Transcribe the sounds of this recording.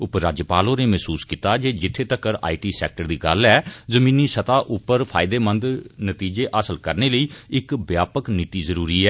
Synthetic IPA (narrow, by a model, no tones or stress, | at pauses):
ʊpɾaːd͡ʒjpaːlõːneːmɛɦsuːskiːt̪aːd͡ʒeːd͡ʒɪt̪ʰːeːt̪əkːəɾa̰ːiːʈiːsɛ̰ːk̚ʈəɾd̪iːɡəlɛːzəmĩːniːsət̪aːʔʊpːəɾpʰaːɪd̪eːmənd̪nət̪iːd͡ʒeːʔaːsəlkəɾneːləiːɪkbjaːpəknɪt̪iːzəɾuːɾiːɛː